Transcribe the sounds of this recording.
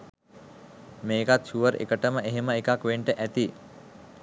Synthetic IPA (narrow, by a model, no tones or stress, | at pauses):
meːkat̪ʃuʋəɾḛkəʈəməʔeɦeməekakʋeɳʈəʔæt̪i